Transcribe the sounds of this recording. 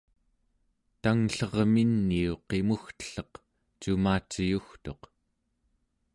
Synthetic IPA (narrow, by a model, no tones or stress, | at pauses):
t̪aŋɬʌʁminːiuqe̞muxt̪ə̥ɬʌq | t͡ʃumaːt͡ʃijuxt̪o̞q